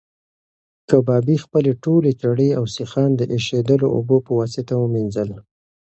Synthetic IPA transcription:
kəbɑbixpəleʈolet͡ʃaɽeawsixɑnd̪əʔeʃed̪əloo̰bopəwɑsɪt̪awəminzəla

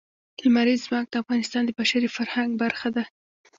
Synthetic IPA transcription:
lmaɾizːmɑk̚d̪̥əafɣɑnɪst̪ɑnd̪əbaʃaɾifaɾhaŋɡbaɾxad̪a

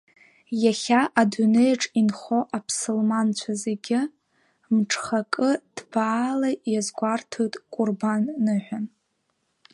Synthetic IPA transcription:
jaχʲaʔadunejʈ͡ʂʼinχo̞ʔapʰsɨlmant͡ɕʷʰaze̞ɡʲɪ | mʈ͡ʂʰʼχakʼɨd̥b̥aːlajazɡʷartʰotʼkʷʼʊrbanːɨħʷᶣan

